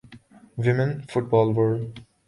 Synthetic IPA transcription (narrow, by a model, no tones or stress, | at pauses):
wɪmə̃nfʊʈ̚bɔlʋəɹ